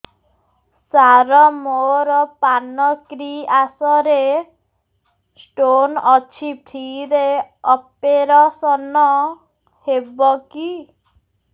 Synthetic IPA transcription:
saɾɔmoɾɔpanɔkɾiasɔɾe | sʈonɔt͡ʃʰipʰiɾeɔpeɾɔsɔnɔ | hebɔki

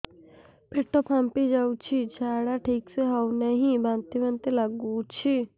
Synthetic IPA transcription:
pʰeʈːopʰãmpid͡ʒaːut͡ʃʰit͡ʃʰaːɽaʈʰiːkseɦɐunɐɦĩbãːnt̪ibɐnt̪elɐɡut͡ʃʰi

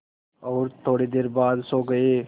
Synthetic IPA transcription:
ɔːɾt̪ʰoːɽid̪eːɾbaːd̪soɡɐeː

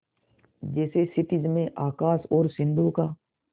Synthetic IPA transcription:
d͡ʒɛːsesɪʈɪd͡ʒmẽʔaːkaːsɔːɾsɪ̃nd̪okaː

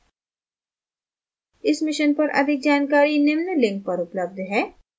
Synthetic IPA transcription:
ɪsmɪʃənpɐɾʔɐ̰d̪ʱɪk̚d͡ʒaːnkaːɾinɪmnəlɪ̃ŋk̚pɐɾʊpləb̚d̪ʱɦɛː

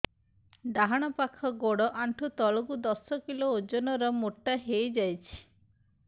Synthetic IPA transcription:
d̪aɦaɽ̃ɔpakʰɔɡoɽɔʔaɳʈʰut̪ɔɭɔɡud̪ɔsɔkiloːd͡ʒɔnɔɾɔmoʈːaɦejd͡ʒajt͡ʃʰi̥

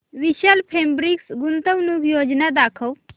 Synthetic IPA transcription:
ʋiɕalpʰembɾiksɡunt̪əwnukjoːd͡ʒnad̪akʰəw

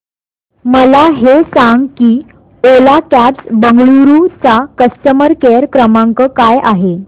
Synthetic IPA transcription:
məlaɦesaŋɡkiː | olakæt͡sbəŋɡɭuɾut͡sakəstəməɾkeɾkɾəmaŋkəkajʔaɦe

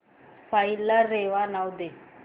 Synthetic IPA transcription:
fajlaːeʋanawd̪e

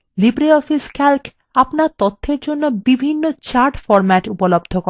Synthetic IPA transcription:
libɾiɔfiskʰɛlk | apnaɾt̪ot̪ʰːeɾd͡ʑonːobibʱinːot͡ɕaɾʈfɔɾmɛʈupolobd̪ʱoko

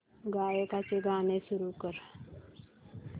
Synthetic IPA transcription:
ɡajəkat͡seɡʱanesuɾukəɾ

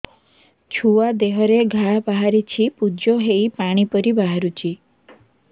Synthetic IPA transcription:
t͡ʃʰuad̪eɦɔɾeɡʱabaɦaɾit͡ʃʰipud͡ʒoɦeipaɽ̃ipɔɾibaɦaɾut͡ʃʰi

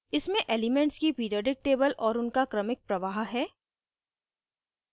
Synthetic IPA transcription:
ɪsmẽʔeːlɪmẽɳʈskipiːɖɔːɖɪk̚ʈeːbəlʔɔːɾʊnkakɾɐmɪk̚pɾɐʋaːɦɦɛː

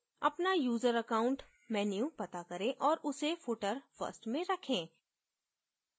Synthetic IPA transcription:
ɐpnajuːzəɾɐkaːʊ̃ɳʈ | mɛːnjupɐt̪akɐɾẽʔɔːɾʊsefoːʈəɾfə̰sʈmẽɾɐkʰẽː

